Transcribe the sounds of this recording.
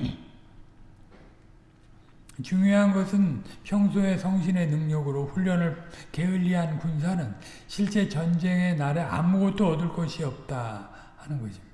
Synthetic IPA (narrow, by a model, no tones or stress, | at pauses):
t͡ɕuŋjoɦanɡʌsʰɯnpʰjʌŋsʰoe̞sʰʌŋɕʰine̞nɯŋɲʌɡɯɾoɸuʎːʌnɯɭke̞ɯʎːiɦankuns̬ʰanɯn | ɕʰiɭt͡ɕ͈e̞t͡ɕʌnd͡ʑe̞ŋe̞naɾe̞a̰muɡʌt̚t͈oʌdɯɭk͈ʌɕʰiʌp̚t͈a | hanɯnɡʌɕʰi